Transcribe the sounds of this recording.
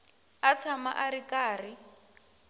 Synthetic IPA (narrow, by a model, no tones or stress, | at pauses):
at͡sʰama̰ʔaɾikʼaːrɪ